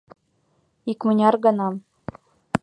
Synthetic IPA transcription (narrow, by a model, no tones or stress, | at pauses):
ikmə̆nʲɑrɡɤ̆nɑm